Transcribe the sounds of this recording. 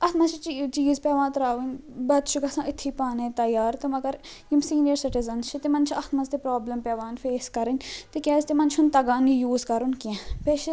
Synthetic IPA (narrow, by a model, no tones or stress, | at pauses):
ɐt̪ʰmɐzt͡ʃʰit͡ʃːt͡ʃiːzpɛːʋãːnt̪ɐɾaːʋinʲbɐt̪ʃʊɡɐsãːʔɪt̪ʰːipaːnẽt̪ɐjaːɾt̪umɐɡɐɾ | imsiːnijəɾsɪʈizɐnst͡ʃʰit̪emɐnt͡ʃʰiɐt̪ʰmɐzt̪epɾoːblɐmpɛːʋaːnfʰeːskɐɾɪnʲt̪ekjaːzt̪emɐnt͡ʃʰunt̪ɐɡaːnijuːzkɐɾunkiɛ̃peːʃ